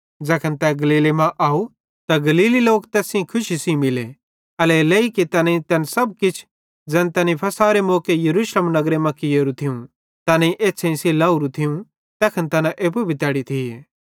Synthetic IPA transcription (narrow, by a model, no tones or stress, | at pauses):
d͡zɛːkʰənt̪ɛɡɐliːlemãʔaːu | t̪aɡɐliːliloːkt̪ɛːsĩkʰʊʃisĩmɪle | ɐlɛleikit̪ɐːneĩt̪ɛːnsɐb̚kɪt͡ʃʰ | d͡zɛːnt̪ɛːnipʰɐsaːɾemoːkejɐɾuːʃləmnɐɡɾemɐ̃kɪjoːɾũt̪ʰɪũ | t̪ɐːnẽiʔeːsʰẽĩselaːuɾũt̪ʰɪjũ | t̪ɛːkʰənt̪ɐnaʔeːp̬ubʱit̪ɛːɽit̪ʰie